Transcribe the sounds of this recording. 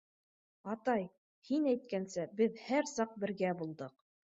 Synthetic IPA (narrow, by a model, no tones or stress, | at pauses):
ɑt̪ɑj | hinæjt̪̚kænsɘbɘðhæɾsɑq̚bɘ̆ɾɡæbulˠd̪ɤq